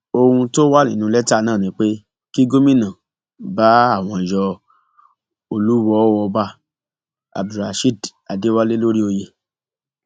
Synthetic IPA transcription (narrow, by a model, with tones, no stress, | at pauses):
o˧hũ˧to˦wa˦nĩ˨nũ˧˦lɛ˦ta˦˨nãː˦˨nĩ˨˦k͡pe˦ | ki˦ɡo˦mĩ˦˨nã˨ | ba˨˦a˦˨w̃ɔ̃˧˨jɔ˧ | o˧lu˦wɔ˨˦wɔ˧ba˧˦ | a̰˨bɾa˨ʃi˦˨da˨de˨˦wa˦le˦lo˦ɾi˦o˧je˧